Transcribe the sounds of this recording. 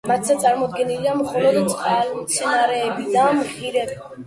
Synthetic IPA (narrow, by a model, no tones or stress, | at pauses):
mat̪ʰzat̪sʼaɾmɔd̪ɡɛniliamχɔlɔd̪t̪sʼqʼalimt̪sʰɛnaɾɛːbid̪amʁiɾɛb